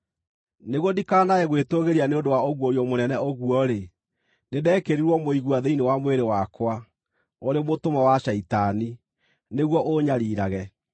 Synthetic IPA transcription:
neɣwɔdikaːnaɛɣwetoɣeɾianeondowaoɣwɔjɔmonɛnɛoɣuɔɾe | nedɛːkeɾiɾwɔmoiɣuaðeinewamweɾewakwa | oɾemotomawaʃaitani | neɣwɔʔoɲaɾiːɾaɣɛ

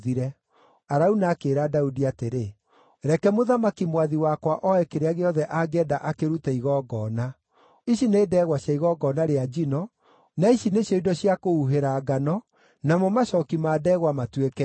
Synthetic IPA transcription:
ðiɾɛ | aɾaunaːkeːɾadaudiateɾe | ɾɛkɛmoðamakimwaðiwakwaʔɔɛkeɾeaɣeɔðɛʔaɡɛːdaʔakeɾutɛiɣɔːɡɔːna | iʃineːdɛːɣwaɕjaiɣɔɡɔːnaɾead͡ʒinɔ | naiʃineɕjɔidɔɕjakouɦeɾaːɡanɔ | namɔmaʃɔːkimaːdɛːɣwamatwekɛ

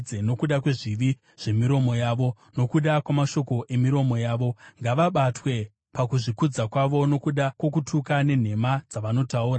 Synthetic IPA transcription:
eno̞kuɗakwe̞ʐiʋi | ʐ̥e̞miɾo̞mo̞jaːʋo̞ | no̞kuɗakwamaʃo̞ko̞ʔe̞miɾo̞mo̞jaːʋo̞ŋɡaʋaɓatwe̞ | pakuʐikud͡zakwaʋo̞no̞kuɗakwo̞k̬utʰukane̞n̤e̞mad͡zaʋano̞tauːɾa

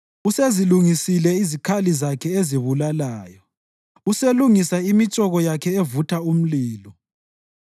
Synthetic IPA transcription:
useziluŋisilɛizikʰalizakʰɛeziβulalaːjɔ | useluŋisaimit͡ʃʼɔɣɔjakʰɛevutʰaum̩liːlɔ

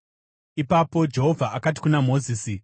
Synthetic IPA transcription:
ipapo̞d͡ʒe̞ɦo̞vʱaʔakat̬i̥kunamo̞ːziːsi

